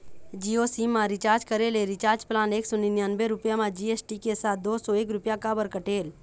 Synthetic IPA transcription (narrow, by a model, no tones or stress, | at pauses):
d͡ʒiːosimãɾɪt͡ʃaːɾd͡ʒkəɾeleɾɪt͡ʃaːɾd͡ʒplaːneːksɔninjanbeɾʊpjamãd͡ʒiesʈikesaːt̪̚d̪oːsɔeːk̬ɾʊpjakabəɾkəʈeːl